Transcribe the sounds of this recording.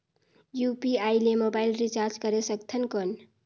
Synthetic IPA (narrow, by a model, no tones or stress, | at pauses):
jupiajlemobailrit͡ʃaɾd͡ʒkʌɾesʌkt̪ʰənkon